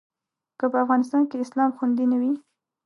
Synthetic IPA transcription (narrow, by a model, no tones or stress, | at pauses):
kəpəafɣɑnɪst̪ɑnkeɪslɑmxund̪inawi